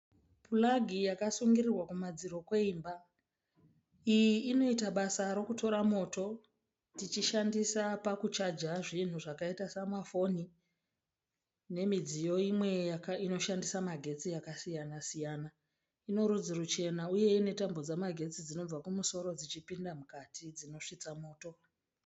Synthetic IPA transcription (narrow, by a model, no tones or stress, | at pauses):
pʰulaɡʱijakasuŋɡirirwakumad͡ziɾo̞kwe̞iːmba | ijiːno̞itaɓasaɾo̞kuto̞ɾamo̞ːto̞ | tit͡ʃiʃandisapakut͡ʃad͡ʒaʐin̤uʐakaitasamafo̞ni | ne̞mid͡zijo̞imwe̞jakaino̞ʃandisamaɡʱe̞t͡sijakasijanasijaːna | ino̞ɾud͡zirut͡ʃe̞nauje̞ine̞tambo̞d͡zamaɡʱe̞t͡sid͡zino̞b͡vakumuso̞ɾo̞d͡zit͡ʃipindamukatʰid͡zino̞ʂit͡samo̞ːto̞